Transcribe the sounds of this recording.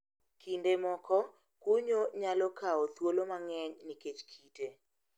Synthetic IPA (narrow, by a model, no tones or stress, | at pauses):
kindemɔkɔ | kuɲoɲalɔkaot̪wolomaŋɛɲniket͡ʃkʰite